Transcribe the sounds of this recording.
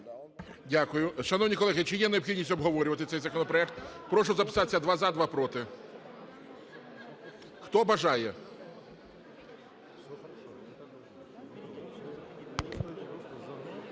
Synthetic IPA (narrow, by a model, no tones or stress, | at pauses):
dʲakʊjʊʃɐnɔwnʲikɔlˠɛɦɪt͡ʃɪjɛneɔbxʲidʲnʲisʲtʲɔbɦɔʋɔɾʲʊʋɐt̪ɪt̪sɛjzɐkɔnɔpɾɔɛkt̪pɾɔʃʊzɐpɪ̥sɑt̪e̥sʲːɐd̪ʋɑzad̪ʋapɾɔt̪ɪ | xt̪ɔbɐʒɑjɛ